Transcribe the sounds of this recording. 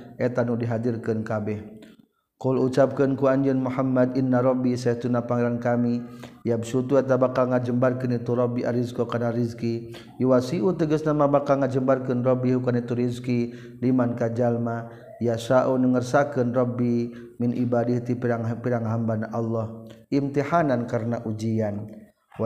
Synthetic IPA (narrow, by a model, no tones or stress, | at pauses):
ʔɛt̪anudiɦadirkənkabɛh | kɔlut͡ʃap̚kənkuaɲd͡ʒənmuhamːad̪inːaɾɔbisaht̪unapaŋiɾankamijabsut̪uɛt̪abakalŋad͡ʒəmbarkənit̪uɾɔbiʔa̰ɾizkokanaɾizki | iwasiʔut̪əɡəsnamabakalŋad͡ʒəmbarkənrɔbiɦukanit̪uɾizki | limankad͡ʒalma | jasaʔunəŋərsakənrɔbimɪnʔibadiht̪ipaŋpiɾaŋɦambanaʔalːɔhʔimt̪ihanankaɾənaʔud͡ʒian